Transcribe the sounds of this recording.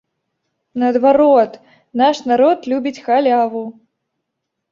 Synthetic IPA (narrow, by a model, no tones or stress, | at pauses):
nɐːd̪vaɾɔt̪ | naʂnaɾɔt̪lʲubʲit͡sʲxalʲavu